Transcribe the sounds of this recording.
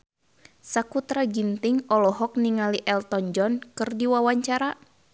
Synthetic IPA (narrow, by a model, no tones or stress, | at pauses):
sakut̪ɾaɡint̪iŋɔlɔɦɔk̚niŋaliʔɛlt̪ɔnd͡ʒɔnkɨrdiwawaɲt͡ʃaɾa